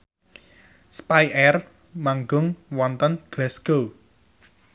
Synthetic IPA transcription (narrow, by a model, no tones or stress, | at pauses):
spajʔɛr | maŋɡʊŋwɔnt̪ənɡ̥lɛsɡo